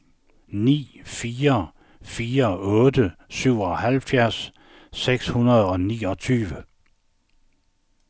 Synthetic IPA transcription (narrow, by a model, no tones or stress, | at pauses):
nḭːfiːɐ | fiːɐɔ̽ːd̥əsyʊ̰ɒɦælfjæɐ̰sː | eɡ̥shunɐð̞ˠɒ̽nḭːɒ̽t͡sʰyːʋə